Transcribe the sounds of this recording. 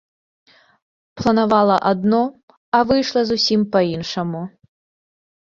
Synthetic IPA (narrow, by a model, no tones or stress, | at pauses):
plˠɐnavalˠɐʔad̪nɔ | ɐvɨjʂlˠɐzusʲimpɐinʂɐmu